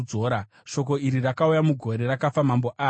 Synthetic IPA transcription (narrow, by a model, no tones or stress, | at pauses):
d͡zoːɾa | ʃo̞ko̞iɾirakaujamuɡʱo̞ɾe̞rakafamambo̞ʔaː